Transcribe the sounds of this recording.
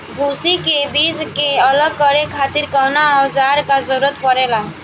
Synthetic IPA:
bʱusikebid͡ʒkeələɡ̚kəɾekʰaːt̪ɪɾkəɦnaɔd͡ʒaɾkazəɾuɾət̪pəɾela

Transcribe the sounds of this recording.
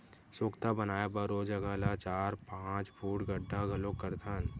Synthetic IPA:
soːkt̪abənaːjebəɾod͡ʒɐɡalat͡ʃaːɾpãːt͡ʃbʰʱuːʈɡəɖʱːaɡʱɐlokəɾd̪ʰʱaːn

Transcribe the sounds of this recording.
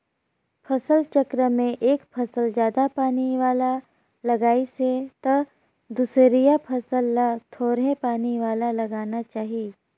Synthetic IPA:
pʰɐsəlt͡ʃəkɾəmẽʔeːkpʰɐsəld͡ʒjaːd̪apaːniʋaːla | lɐɡaːiset̪ɐ | d̪uːsɾijapʰɐsəlːat̪ʰoːɾepaːniʋaːlalɐɡaːnat͡ʃaːɦieː

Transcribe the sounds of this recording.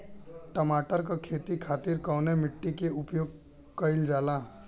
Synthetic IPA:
ʈəmaːʈəɾkakʰeːt̪ikʰaːt̪iɾkɔːnemɪʈːikeʊpjoːɡ̚ | kəɪld͡ʒaːlaː

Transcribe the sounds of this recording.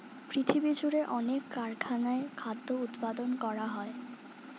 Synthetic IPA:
pɾit̪ʰibid͡ʑuɾeʔɔnekːaɾkʰanaekʰad̪ʱːout̪pad̪onkɔɾaɦɔe

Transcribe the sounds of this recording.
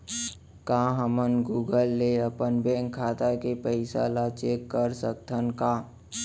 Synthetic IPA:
kãːɦəmənɡuːɡəlːeəpənbɛ̃ːŋkʰːaːt̪akepəɪsa̰lat͡ʃekːəɾsək̚t̪ʰənkaː

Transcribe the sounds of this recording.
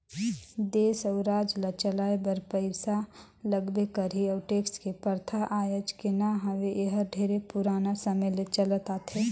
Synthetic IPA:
d̪eːsəʊɾaːd͡ʒlat͡ʃəlaːebəɾpəɪsa | ləɡbekəɾiəʊʈeːkskepəɾt̪ʰaʔaːjəd͡ʒkɪnaɦɐʋeʔeɦəɾɖʱeːɾepʊɾaːnasɐməjlet͡ʃɐlət̪at̪ʰe

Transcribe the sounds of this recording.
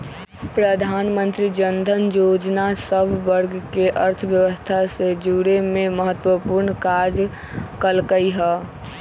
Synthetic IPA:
pɾəd̪ʱaːnmə̃nt̪ɾid͡ʒənd̪ʱənjoːd͡ʒnasəbʱʋəɾɡkeʔəɾt̪ʰəʋjəʋəst̪ʰased͡ʒuɽememəɦət̪ːwəpuɾnkaɾd͡ʒ | kəlkəiɦɛː

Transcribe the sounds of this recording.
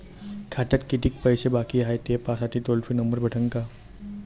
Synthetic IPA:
kʰaʈ̪ət̪kit̪iːk̚pəjsebakiaɦet̪epasat̪iːt̪olfinəmbəɾbʱəʈəŋka

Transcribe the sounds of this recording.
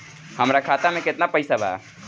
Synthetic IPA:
həmɾakʰaːt̪amẽkɪt̪napəɪsabʱa̰a̰

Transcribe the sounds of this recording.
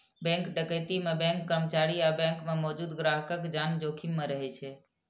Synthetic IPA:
bɛ̃ŋkɖəkəjt̪imẽbɛ̃ŋkːəɾəmət͡ʃaɾiabɛ̃ŋkmemɔːd͡ʒuːd̪ɡɾaɦəkəkd͡ʒand͡ʒokʰimːẽɾəɦɛt͡ʃʰɛ

